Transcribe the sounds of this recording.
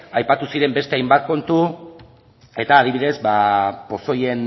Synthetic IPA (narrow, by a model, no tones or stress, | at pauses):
ajpat̪usiɾe̞mbe̞st̪e̞ajmbat̪̚ko̞nt̪u | e̞t̪aːð̞iβiðe̞zbapo̞so̞je̞n